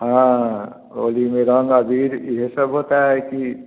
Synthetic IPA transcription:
ɦã | o̰limeɾʌŋɡəbʱiɾiɦesəbɦot̪aɦeki

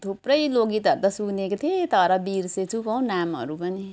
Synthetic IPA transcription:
t̪ʰupɾʌjloɡit̪ʌɾut̪ʌsunekot̪ʰiet̪ʌɾʌbiɾset͡sʰupʌw̃namɦʌ̰ɾupʌni

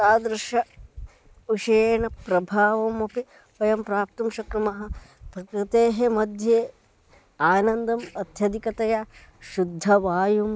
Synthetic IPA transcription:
t̪aːd̪ɾɐʃɐ | uʃeːɳɐpɾɐbʱaːʋɐmɐpi | pɐjɐmpɾaːp̚t̪umʃɐkɾɐmɐɦɐ̆b̥ʱɐkɾit̪eːɦemɐd̪ʱjeː | aːnɐnd̪ɐmɐt̪jɐd̪ikɐt̪ɐjaʃud̪ʱːɐʋaːjum

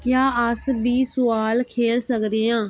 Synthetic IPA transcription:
kjaːʔəsbiːsʊaːlkʰeːlsəkd̪eːãː

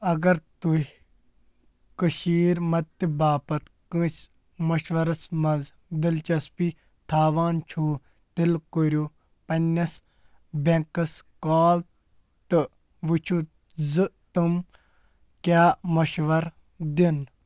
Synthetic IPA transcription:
ɐɡɐɾt̪u | kɨʃiːɾmɐt̪̚t̪ːibaːpɐt̪kɨ̃s | mɐʃʋɐɾɐsmɐz | d̪ilt͡ʃɐspi | t̪ʰaːʋaːnt͡ʃʰuː | t̪ilkoɾʲju | pɐnʲːɐs | bẽŋkɐskaːl | t̪ɨ | ʋɨt͡ʃʰu | zɨt̪ɨm | kʲaːmɐʃʋɐɾ | d̪in

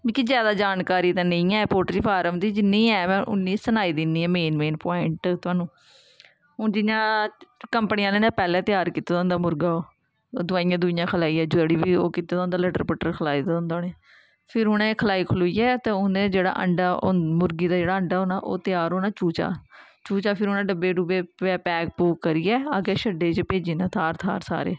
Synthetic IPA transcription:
miːkizjaːd̪aːd͡ʒaːnkaːɾiːt̪ãːnə̃ĩːɛːpoːʈɾiːpʰaːɾəmd̪iːd͡ʒɪnːĩːɛːmɛ̃ːʔʊ̰nːiːsənaːiːd̪ɪnːiːɛ̃ːmeːnmeːnpaːɪɳʈt̪ʊaːnũː | ʊd͡ʒɪnãːkəmpənijãːleːnãːpɛːlɛ̃ːt̪ɪjaːɾkiːt̪ːaːd̪õːnd̪aːmʊɾɡaːoː | d̪ʊʋaːijãːd̪ʊɪjãːkʰəlaːiːɛːd͡ʒəɽiːʋiːoːkiːt̪ːaːd̪õːnd̪aːləʈəɾpəʈəɾkʰəlaːiːd̪ːõːnd̪aːneː | pʰɪɾɦʊnẽːkʰəlaːiːkʰʊloːiːɛːt̪ẽːʊnẽːd͡ʒeːɽa̰ːʔə̰ɳɖaːo̰mʊɾɡiːd̪aːd͡ʒeːɽaːəɳɖaːoːnaːʔo̰ːt̪ɪjaːɾɦoːnaːt͡ʃuːt͡ʃa̰ːt͡ʃuːt͡ʃaːpʰɪɾɦʊnãːɖəbeːɖuːbeːɛːpɛːk̚puːkkəɾiːɛːaɡeːʃəɖːeːt͡ʃpeːd͡ʒiːnãːt̪ʰaːɾt̪ʰa̰ːɾsa̰ːɾḛː

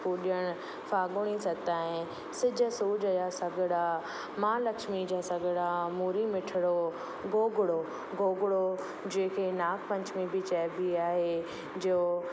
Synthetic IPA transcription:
puːɗiəɽ̃ | faːɡʊɽ̃isɐt̪aːɦẽ | sɪd͡ʑʱəsuːd͡ʑəjaːsɐɡʱɽa | mãːlɐkʃmid͡ʑaːsɐɡʱɽamuːɾimɪʈʰɪɽo | ɡoːɡɽo | ɡoːɡɽo | d͡ʑẽːɪ̃kʰeːnaːkʰpɐ̃ɲt͡ɕʰmibit͡ɕɛːbʱiaːɦeː | d͡ʑo

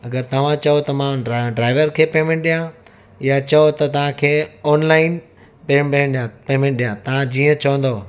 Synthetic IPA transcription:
ɐɡəɾt̪ɐʋ̤ãt͡ɕɐot̪ɐmãɖɾaːɪʋəɾkʰeːpeːmẽːɳʈ̚ɗijã | jat͡ɕɐot̪ɐt̪ɐʋ̤ãkʰeːɔːnlaːɪn | peːɗĩɳɗijãpeːmẽɳʈ̚ɗijãt̪ɐʋ̤ãd͡ʑiːə̃t͡ɕɐʋə̃nd̪o

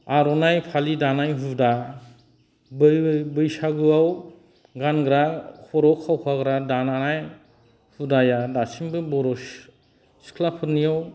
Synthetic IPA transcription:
aɾɔnajpʰalidanajɦuda | bbɯjsaɡɯaw | ɡanɡɾahʰɔɾɔkʰːawpʰaɡɾadananaj | hudajadasimbɯbɔɾɔs | si̥kʰlapʰɯɾnijaw

